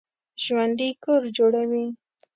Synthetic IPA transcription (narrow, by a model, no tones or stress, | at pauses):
ʒwand̪ijkʊɾd͡ʒoɽawi